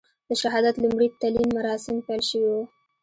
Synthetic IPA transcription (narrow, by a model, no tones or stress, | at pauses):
d̪̥əʃaɦɑd̪at̪lumɽit̪alinmaɾɑsɪmpelʃəwiwu